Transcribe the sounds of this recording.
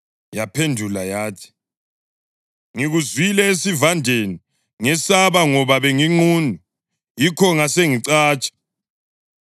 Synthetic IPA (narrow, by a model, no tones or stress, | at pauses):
japʰendʱulajaːtʰi̥ | ŋiɣuzwilɛesivandʱeni | ŋɛsaβaŋɔβaβeŋiŋ͡ǃuːnu | jikʰɔŋaseŋiǀaːt͡ʃʼḁ